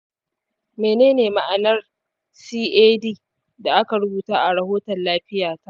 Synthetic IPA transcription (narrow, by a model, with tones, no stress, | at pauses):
meː˨neː˦neː˨ma˦ʔa˨nɐ˦r | siː˦ʔeː˦diː˦ | da˨ʔa˦ka˨ɾʊ˦buː˨taː˦ʔa˨ɽɐ˨hoː˦tɐ˨nlaː˦ɸɪ˦jaː˨ta˦ʔ